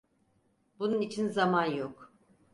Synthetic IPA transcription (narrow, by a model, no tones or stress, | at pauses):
bununit͡ʃʰinzamanjok